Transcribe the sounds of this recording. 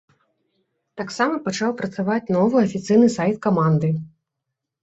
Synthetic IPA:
t̪aksamɐpat͡ʂawpɾɐt̪savat͡sʲn̪ɔvɨɐfʲit̪sɨjnɨsajt̪kamand̪ɨ

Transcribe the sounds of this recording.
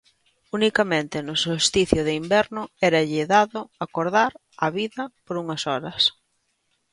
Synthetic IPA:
unikɐmẽnt̪ɪnʊsost̪iθjʊðɪimbɛɾnʊɛɾɐʎɪðaðʊakoɾðaɾ | ɐβiðɐpoɾuŋɐsɔɾɐs

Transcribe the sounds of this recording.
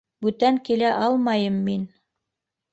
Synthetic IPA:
bʉt̪æŋkilæʔɑlˠmɑjɤmːin

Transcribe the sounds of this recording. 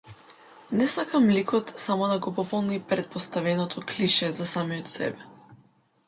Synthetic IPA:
nɛsakamlikʰɔt̪samɔd̪aɡɔpɔpɔlˠnipɾɛt̪̚pɔst̪avɛnɔt̪ʰɔkliʃɛzasamijɔt̪sɛ̰bɛ

